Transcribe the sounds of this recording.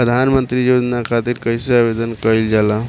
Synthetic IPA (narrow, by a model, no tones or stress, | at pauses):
ɾəd̪ʱanmənt̪ɾijod͡ʒnakʰat̪iɾkəjseabed̪ənkəild͡ʒala